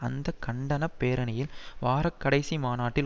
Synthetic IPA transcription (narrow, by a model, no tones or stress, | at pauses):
ɐnd̪ɐkːɐɳɖɐnɐpːeːɾɐnɐjɪlʋaːɾɐkːɐɽɐɪsimaːnaːʈːɪl